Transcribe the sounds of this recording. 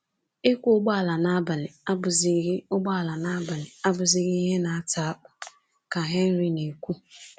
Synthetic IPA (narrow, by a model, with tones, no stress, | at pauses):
e˦kʷu˦ʊ˦ɡ͡ba˦a˨la˨na˦ba˨lɪ˨a˦ʊ˨zʊ˦ɡ͡ba˦a˨la˨na˦ba˨lɪ˨a˦bʊ˨zɪ˦ɣɪ˦i˦ɦe˦na˨a˦ta˨a˦k͡pʊ̥˨ | ka˨ɦe˦n̩˦ɾi˦ne˨kʷu˦